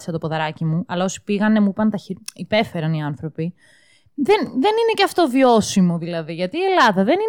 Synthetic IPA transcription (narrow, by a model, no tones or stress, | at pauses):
sɐt̪o̞po̞ðɐɾɐcimuɐlɐo̞si̥piɣɐnemuipɐnt̪ɐçiipe̞fe̞ɾɐniɐnθɾo̞pi | ðenðe̞nine̞ceɐft̪o̞vio̞simo̞ðilɐðiʝɐt̪iːe̞lɐðɐðe̞ni